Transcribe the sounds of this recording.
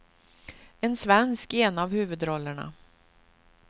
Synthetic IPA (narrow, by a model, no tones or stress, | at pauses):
ɛnsvɛnskɛnavhʉ̟ːvɵd̪ɾɔlːəɳa̰